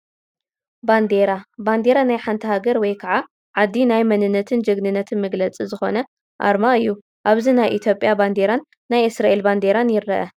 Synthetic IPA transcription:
band̪eɾaband̪e̞ɾanajħant̪ʰɐhaɡɐɾwɔjkʰaʕa | ʕad̪ːinajmɐnɨnːɐt̪ʰɨnd͡ʒɨɡnɨnːɐt̪ʰɨnmɨɡlɐt͡sʼizɨxo̞̰nɐ | ʔa̰ɾmaɨjːu | ʔaβzinajʔit̪ʰjo̞pʼːjaband̪e̞ɾanːajʔɨsɾaʔelband̪eɾanjɪɾːɐʔɐ

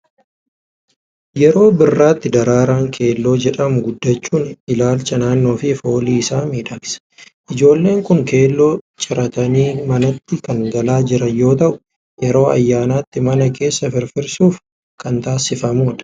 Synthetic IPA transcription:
jɛɾo̞ːbɪrːaːt̪ːɪd̪ɐɾaːɾaːŋkʰe̞ːlːo̞ːd͡ʒɛᶑɐmʊɡʊd̪ːɐt͡ʃːuːnɪlaːlt͡ʃɐnaːnːo̞ːfɪfo̞ːliːɪsaːmiːᶑɐksɐ̥ʔɪd͡ʒo̞ːlːe̞ːŋkʊŋke̞ːlːo̞ːt͡ʃʼɪɾɐt̪ɐniːmɐnɐt̪ːɪkɐŋɡɐlaːd͡ʒɪɾɐnjo̞ːt̪ɐʔʊ̥ | jjɛɾo̞ːɐ̰jːaːnaːt̪ːɪmɐnɐkʰe̞ːsːɐfɪɾfɪɾsuːf | kɐnt̪aːsɪfɐmoːᶑ̪ɐ̥

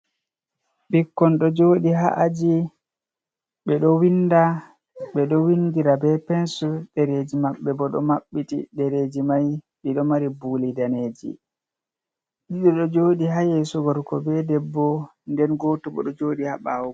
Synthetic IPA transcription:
bikːɔnɗɔd͡ʒoːɗiɦa̰ʔad͡ʒi | ɓɛɗɔwinːda | ɓɛɗɔwindiɾabɛpɛnsuɗɛɾed͡ʒimaɓːɛbɔɗɔ̰maɓːitḭɗɛɾed͡ʒimaj | ɗiɗɔmaɾibuːlidaneːd͡ʒḭ | ɗiɗɔɗɔd͡ʒoːɗiɦajesɔɡɔɾkɔbɛdɛbːɔndɛnɡɔːtɔbɔ̰ɗɔd͡ʒoːɗiha̰ɓawɔ

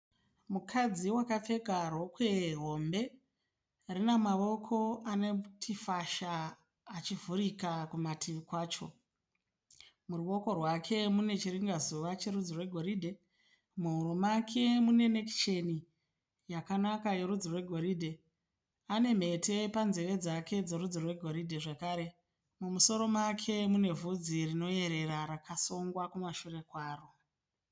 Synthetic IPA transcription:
mukʰad͡ziwakap͡fe̞karwokwe̞ɦo̞mbe̞ | rinemaʋo̞kʰo̞anetʰifaʃaː | t͡ʃivuɾikakumatʰiʋikwaːt͡ʃo̞̰ | muruʋo̞ko̞rwakʰe̞mune̞t͡ʃiriŋɡazuʋat͡ʃe̞rud͡zirwe̞ɡʱo̞ɾidʱe̞ | muɦurumakʰe̞mune̞nekt͡ʃeni | jakanakaje̞ɾud͡zirwe̞ɡʱo̞ɾidʱe̞ | ane̞m̤e̞te̞panzeʋe̞d͡zakʰe̞d͡ze̞rud͡zirwe̞ɡʱo̞ɾidʱeʐakaːɾe̞ | mumuso̞ɾo̞makʰe̞mune̞vud͡zirino̞e̞ɾe̞ɾaɾakasoŋɡwakumaʃure̞kwaːro

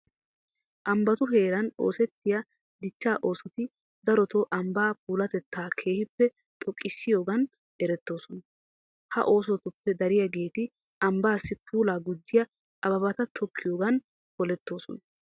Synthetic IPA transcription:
ʔɐmbɐt̪ʊɦe̞ːɾɐno̞̰ːsɛt̪ːɪja | d̪ɪt͡ʃːaːʔo̞ːsɔt̪ɪ | d̪ɐɾɔt̪oʔɐmbaːpuːlɐt̪ɛt̪ːaːkʰe̞ːhɪpːɛ | t̪ʼɔkʼːɪsːɪjo̞ːɡɐn | ɛɾɛt̪ːo̞ːsɔnɐ | hɐ̰ʔo̞ːs̬ɔt̪ʊpːɛd̪ɐɾɪjɐɡe̞ːt̪ɪ | ʔɐmbaːsːɪpʰuːlaːɡʊd͡ʒːɪjɐ | ɐbɐbɐt̪ɐt̪ʰɔkʰːɪjo̞ːɡɐn | pɔlɛt̪ːo̞ːsɔ̰nɐ

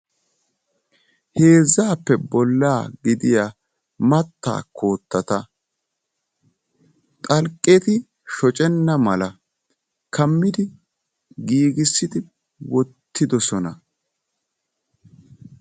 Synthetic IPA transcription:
heːzːaːpːɛbɔlːaːɡɪd̪ɪja | mɐt̪ːa̰ːkʰo̞ːt̪ːɐt̪ɐ | t̪ʼɐlkʼːet̪ɪ | ʃɔt͡ʃʼɛnːɐmɐlɐ | kɐmːɪd̪ɪ | ɡiːɡɪsːɪd̪ɪ | wɔt̪ːɪd̪ɔsɔnɐ

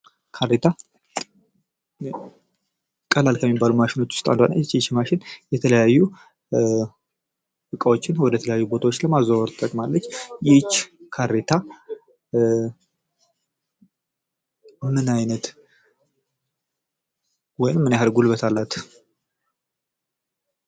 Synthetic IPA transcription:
kʰaɾet̪ʰa | kʼəlalkʰəmːibːalumaʃɪno̞t͡ʃːwʊ̥st̪ʼand̪anat͡ʃːt͡ʃːmaʃɪnjɛt̪ʰələjajːu | fɨkʼəwot͡ʃːɪnwɔd̪ət̪ʰələjajːubo̞t̪ʰawo̞t͡ʃːləmazawəɾt̪ʼəkʼmalːət͡ʃːjɛt͡ʃːkʰaɾe̞t̪ʰa | mɨnɨnajnət̪ | wɔjɪmːɨnjaɦɾɡulβət̪ʰalːat̪

